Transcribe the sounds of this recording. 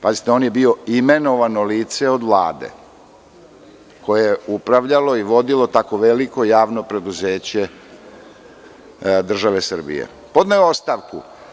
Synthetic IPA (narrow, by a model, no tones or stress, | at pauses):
pazit̪eo̞ːnje̞bio̞ime̞no̞ʋano̞liːt̪se̞o̞d̪ʋla̰ːd̪e̞̰ | ko̞jejeupɾaʋʎalo̞iʋo̞d̪ilo̞t̪ako̞ʋeliko̞jaːʋno̞pɾe̞d̪uze̞ːt͡ɕe̞ | d̪r̩ʒaʋe̞sr̩bḭjḛ | po̞d̪najoo̞st̪aʋkṵ